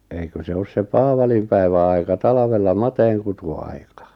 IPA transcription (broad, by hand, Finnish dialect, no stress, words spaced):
eikø se os se pɑːʋɑlimpæiʋæ ɑikɑ tɑlɑ̆ʋelːɑ mɑteːŋkutuɑikɑ̥